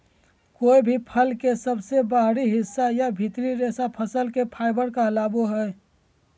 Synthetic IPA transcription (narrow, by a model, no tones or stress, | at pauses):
koːibʱipʰəlkesəbsebaɦɾiɦɪsːajabʱit̪ɾiɾeːsapʰəsəlkepʰaːɪbəɾkalaːbuɦɛː